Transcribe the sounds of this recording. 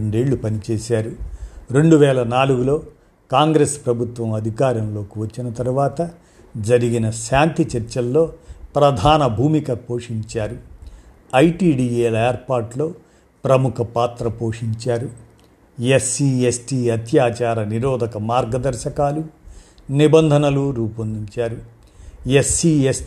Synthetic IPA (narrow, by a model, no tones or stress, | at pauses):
ɳɖe̞ːɭːupɐnit͡ʃeːsaːɾuɾe̞ɳɖuʋɛːlɐnaːluɡulo̞ː | kaːŋɡɾeːspɾɐbʱut̪ʋɐmɐd̪ʱikaːɾjɐmlo̞ːkiʋɐt͡ʃːinɐt̪ɐɾuʋaːt̪ɐ | d͡ʒɐɾiɡinɐʃaːnt̪it͡ʃɐɾt͡ʃɐlːo̞ːpɾɐd̪ʱaːnɐbʱuːmikɐpo̞ːʂiɲt͡ʃaːɾu | ɐjʈiːɖiːeːleːɾpaːɾʈlo̞ː | pɾɐmukʰɐpaːt̪ɾɐpo̞ːʂiɲt͡ʃaːɾu | jesiːesʈiːɐt̪jaːt͡ʃaːɾɐniɾɔːd̪ʱɐkɐmaːɾɡɐd̪ɐɾʃɐkaːlunibɐnd̪ʱɐnɐluɾuːpɐnd̪iɲt͡ʃaːɾu | jesiːes